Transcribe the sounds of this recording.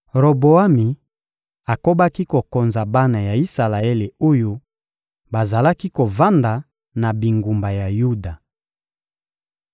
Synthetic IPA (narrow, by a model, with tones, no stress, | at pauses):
ʁo˨bo˨a˦mi˨ | a˨ko˦ba˦ki˦ko˨ko˨nza˨ba˦na˨ja˨i˦sa˨la˨e˦le˨o˦jo˦ | ba˨za˨la˦ki˦ko˨va˦nda˨ | na˨bi˨ŋɡu˨mba˨ja˨ju˦da˨